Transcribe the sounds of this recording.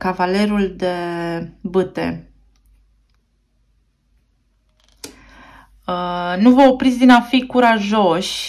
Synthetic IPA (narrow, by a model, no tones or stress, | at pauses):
kavale̞ɾuld̪e̞ | bɨt̪e̞̰ | nuvəopɾit̪sʲd̪inafikuɾaʒo̞ʃʲ